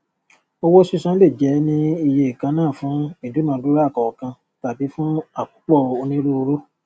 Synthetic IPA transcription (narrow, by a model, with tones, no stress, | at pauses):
o˧wo˦si˦sã˦le˦˨d͡ʒɛ˨˦nĩ˦i˧je˧i˨kã˧˦nãː˦˨fũ˨˦i˦˨du˨˦mãː˨˧˦du˦ɾa˦˨kɔ˨kã˧ | ta˨bi˨˦fũ˦a˦˨ku˨˦k͡pɔ˦˨o˧nĩ˦ɾu˦o˧ɾo˦